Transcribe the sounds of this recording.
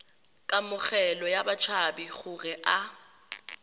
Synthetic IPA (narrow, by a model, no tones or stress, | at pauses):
kʼamʊɣɛlɔjabat͡ʃʰabiɣʊɣɛʔa